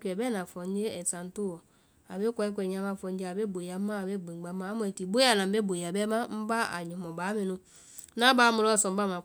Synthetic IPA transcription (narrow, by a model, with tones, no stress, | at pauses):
kɛ˨bɛ˦nã˨fɔ˨˦ɲ˦d͡ʒe˦ɛ˨sã˨n̩˦to˦˨wɔ˨ | a˨be˦kɔ˧˦ɛ˦kʷɛ˨ɲ˦ã˦mã˧˨fɔ̃˧ɲ˦d͡ʒe˦a˨be˦˨bo˨ja˨˦mã˦a˨be˦˨ɡ͡bẽ˨˦ɡ͡ba˨˦mã˨˦mu˨˦ɛ˨ti˨bo˦a˨nã˨be˦bo˨a˨bɛ˦mã˦m̩˦ba˦a̰˨ɲĩ˨mɔ˨ba˨˦mẽ˨nũ˦ | nã˦ba˨˦mu˨˧lɔ˦˨sɔ̃˨m˦ba˦mã˨